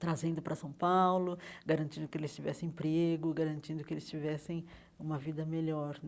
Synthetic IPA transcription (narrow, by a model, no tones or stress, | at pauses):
t̪ɾazẽnd̪ʊpɾɐsɐ̃w̃pawlʊɡaɾɐ̃nt͡ʃĩnd̪ʊkɪelɪst͡ʃivɛsẽẽpɾeɡʊɡaɾɐ̃nt͡ʃĩnd̪ʊkɪelɪst͡ʃivɛsẽj̃ | ũmɐvid̪ɐmeʎɔɾ